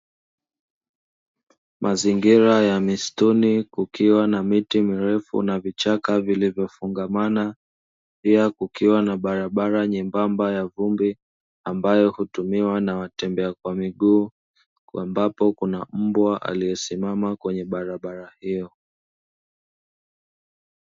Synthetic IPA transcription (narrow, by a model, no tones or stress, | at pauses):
mʔaziŋɡiɾajamistunikukiwanamitimiɾɛfṵnavit͡ʃakavilivjɔfuŋɡamana | piakukiwanaɓaɾaɓaɾaɲɛmbambajavumbi | ambajɔhutumiwanawatɛmbɛakwamiɠuː | kambapɔkunam̩bwaʔa̰lijɛsimamakwɛɲɛɓaɾaɓaɾahijɔ